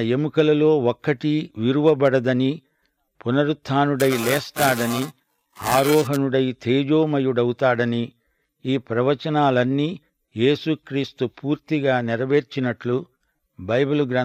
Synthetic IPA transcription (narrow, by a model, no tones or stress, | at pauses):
ɐe̞mukɐlɐlo̞ːɔkːɐʈiʋiɾuʋɐbɐɽɐd̪ɐni | punɐɾut̪ʰːaːnuɽɐjlɛːst̪aːɽɐni | aːɾɔːɦɐnuɽɐjt̪ʰeːd͡ʒoːmɐjuɽɐwut̪aːɽɐni | iːpɾɐʋɐt͡ʃɐnaːlɐnːiː | je̞ːsukɾiːst̪upuːɾt̪iɡaːnɛɾɐʋe̞ːɾt͡ʃinɐʈlu | bɐjbuluɡɾa